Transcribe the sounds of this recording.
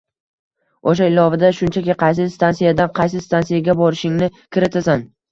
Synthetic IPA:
oʃaɪlɒvɪd̪aʃʊnt͡ʃʰakʲɪqʰɑjs̬ɪst̪ʰansijad̪anqʰɑjs̬ɪst̪ʰansijaɡʲabɒɾɪʃɪŋnɪkʲʰɪɾɪt̪ʰasan

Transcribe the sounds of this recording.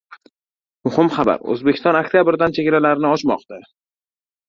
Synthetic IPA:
mʊhɪmχaba̰ɾɵ̰zbekʲʰɪst̪ɒnakʲt̪ijabɪɾd̪ant͡ʃʰeɡʲɪlalaɾɪnɪɒt͡ʃmɒ̰qt̪a

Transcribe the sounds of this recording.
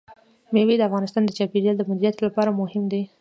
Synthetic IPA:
mewed̪əafɣɑnɪst̪ɑnd̪ət͡ʃɑpeɾjɑld̪əmʊd̪ɾijat̪lapɑɾamʊhɪmd̪e

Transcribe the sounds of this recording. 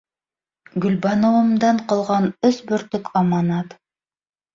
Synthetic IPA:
ɡɵ̆lbɑnŏwɤ̆md̪ɑɴqɑlˠʁɑnɵsbɵ̆ɾt̪ɵkʰɑmɑnɑt̪

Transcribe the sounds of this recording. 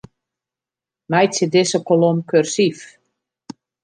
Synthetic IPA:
mɛjtsɪdɪsəkolomkørsif

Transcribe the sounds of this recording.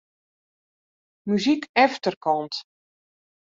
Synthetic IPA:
myzikɛftərkɔnt

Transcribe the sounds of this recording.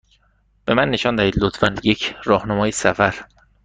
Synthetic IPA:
b̥e̞mænːe̞ʃɒːnd̪æhiːd̪lot̪ʰfænjecʰɾɒːhnæmɒːjesæfæɾ

